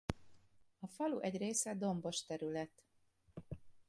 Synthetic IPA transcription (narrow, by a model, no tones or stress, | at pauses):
ɒfɒlṵʔɛɟreːsɛd̪o̞mbo̞ʃt̪ɛɾylɛt̪